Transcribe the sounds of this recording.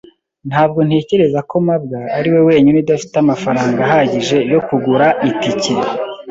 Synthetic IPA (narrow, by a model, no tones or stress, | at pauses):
n̥haːbɡo̞n̥he̞ːce̞ɾe̞zako̞mabɡaːɾiwe̞we̞ːɲunidafi̥tamafaɾaːŋɡaɦaɟiʒe̞jo̞kuɡuɾaʔitice